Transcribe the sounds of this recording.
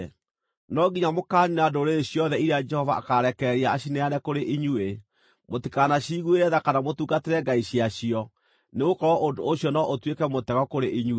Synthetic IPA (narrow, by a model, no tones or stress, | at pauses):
nɔɡiɲamokaːɲinadoɾeeɕijɔðɛiɾead͡ʒɛhɔvaːkaɾɛkɛɾiaaɕinɛaɾɛkoɾeʔiɲue | motikanaɕiɣweɾɛðakanamotuːɡateɾɛɡaiɕiaɕiɔ | neɣokɔɾɔʔondoːɕjɔnɔʔotwekɛmotɛɣɔkoɾeʔiɲu